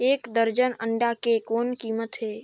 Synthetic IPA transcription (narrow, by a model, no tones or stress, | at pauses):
eːkd̪əɾd͡ʒənəɳɖakekoːnkiːmət̪ɦeː